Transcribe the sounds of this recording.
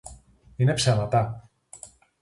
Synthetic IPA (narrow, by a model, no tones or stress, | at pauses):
ine̞psemɐt̪ɐ